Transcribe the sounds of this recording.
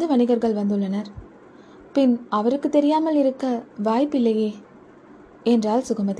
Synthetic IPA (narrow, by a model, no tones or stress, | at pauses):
d̪ɯʋɐɳɪɣɐɾɣɐɭʋɐnd̪ɯɭːɐnɐɾ | pɪnɐʋɐɾɯkːɯt̪ːɛɾɪjaːmɐlɪɾɯkːɐʋaːjpɪlːɐjeː | ɛndraːlsʊɣɐmɐt̪ː